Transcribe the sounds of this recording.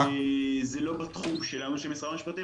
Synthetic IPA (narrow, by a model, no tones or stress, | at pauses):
ezelo̞bat̪χumʃelanuʃemesʁaamiʃpat̪i